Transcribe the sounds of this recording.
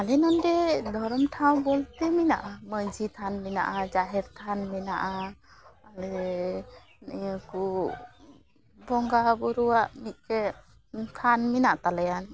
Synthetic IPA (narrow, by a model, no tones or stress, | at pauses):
alɛnɔndɛd̪ʱɔɾɔmʈʰaw̃bɔlt̪ɛmina̰ʔaməd͡ʒʱit̪ʰanmɛna̰ʔad͡ʒaɦɛɾt̪ʰanmɛnaʔa | alɛ | nijaku | bɔŋɡabɔɾuwaʔmit̪̚kɛ | kʰanminaʔt̪alajan